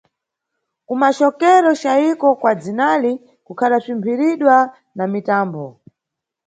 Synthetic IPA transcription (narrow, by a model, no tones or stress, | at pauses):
kumaʃɔkɛɾɔʃaikɔkwad͡zinali | kukʰaɗasimpʰiɾiɗwa | namitaːmbɔ